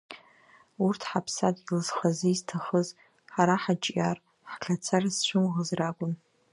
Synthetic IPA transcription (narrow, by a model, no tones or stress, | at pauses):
urtʰħapʰsatʼilɨzχazɨiztʰaχəz | ħaɾaħat͡ʃʼjar | ħkʰat͡sʰarasʃʷʰʊmʁəzrakʷʼʊn